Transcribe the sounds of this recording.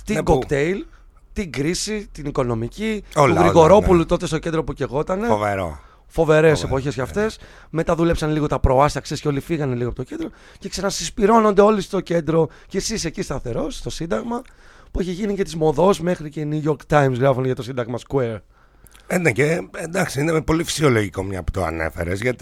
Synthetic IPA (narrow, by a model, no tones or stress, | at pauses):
t̪iɡokt̪ejl | t̪iɡɾisit̪iniko̞no̞micioluɣɾiɣo̞ɾo̞pulut̪o̞t̪est̪o̞cend̪ɾo̞puceɣo̞t̪ɐnevḛɾo̰ | fo̞ve̞ɾe̞se̞po̞çe̞zʝɐft̪e̞s | met̪ɐðule̞psɐnliɣo̞t̪ɐpɾo̞ɐst̪ɐksesceo̞lifiɣɐne̞liɣoɐpot̪ocend̪ɾo̞ | ce̞ksɐnɐsispiɾo̞no̞nd̪e̞o̞list̪o̞ce̞nd̪ɾo̞ | cesise̞cist̪ɐfθe̞ɾo̞st̪o̞sind̪ɐɣmɐ | pueçiʝinice̞t̪izmo̞ðo̞sme̞xɾiceinuʝo̞ɾkt̪ajmsɣɾɐfoneʝɐt̪o̞sind̪ɐɣmɐskweɾ | eneceend̪ɐksiinemepo̞lifi̥sio̞loʝikomɲɐ̰pu̥t̪o̰ɐ̰nḛfe̞̰ɾḛzʝɐt̪i